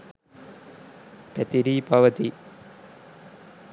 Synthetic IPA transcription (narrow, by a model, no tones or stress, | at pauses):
pɛt̪iɾiːpɐʋɐt̪i